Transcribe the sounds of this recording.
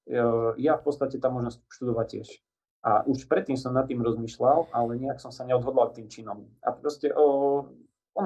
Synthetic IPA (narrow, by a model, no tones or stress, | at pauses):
jafpɔt̪st̪acɛt̪aːmɔʒnɔsc̚ʃt̪ud̪ɔʋaccɪɛʃ | ʔa̰ʔuʃpɾɛt̪ːiːmsɔmnat̪ːiːmɾɔzmiːʃlalalɛɲɛaksɔmsaɲɛɔd̪ɦɔd̪lalt̪ːiːmt͡ʃinɔma̰pɾɔscɛʔɔ | ɔn